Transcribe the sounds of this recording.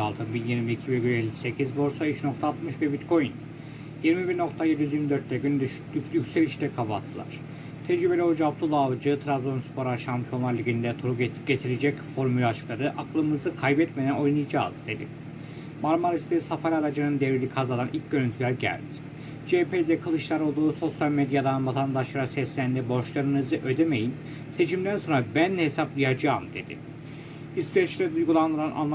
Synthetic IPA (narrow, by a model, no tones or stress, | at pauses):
alˠt̪ʰɯnbinjiɾmiicʰibɛɡynelʲːisecʰizbo̞ɾsaiʃno̞kt̪ʰaːt̪mɯʃvɛbit̪kʰo̞jin | jiɾmibiɾno̞kt̪ʰajed̪ijyziɾmid̪øɾt̪ːʰɛɟynd̪ʲycʲsɛlʲit͡ʃt̪ɛkʰabaa̰t̪ʰːɯlˠa̰ɾ̥ | t̪ʰɛd͡ʒɾybelʲiod͡ʒab̚t̪ʰulˠavd͡ʒɯt̪ʰɾad̪lonspʰo̞ɾaʃampʰjo̞nlˠaɾlʲiɟind̪ɛt̪ʰuɾuɟet̪ʰiɾed͡ʒɛcfo̞ɾmylʲɛat͡ʃʰɯ̥klˠad̪ɯʔaklˠɯmɯzɯkʰajbɛt̪med̪æno̞jnˠɯjd͡ʒa̰ːlˠd̪ɯd̪e̞d̪ɪ̰ | maɾmaɾist̪esafaɾʲaɾad͡ʒɯnɯnd̪evɾilʲikʰazad̪anʔilʲc̚ɟø̞ɾynt̪ʰylʲæɾɟæ̰lʲd̪i̥ | d͡ʒepʰed̪ɛkʰalˠɯʃlˠaɾo̞lˠd̪uːso̞sjalʲmed̪jad̪anvat̪ʰand̪aʃlˠaɾɯsɛslʲænd̪ɛbo̞ʃlˠaɾɯnɯzɯʔø̞d̪eme̞jim | se̞t͡ʃʰimd̪ænso̞nɾabænlɛhesaplˠɯjad͡ʒaːmd̪e̞d̪ɪ̰ | isp̪et͡ʃlʲɛd̪ujɡulˠand̪ɯɾanʔa̰nˠ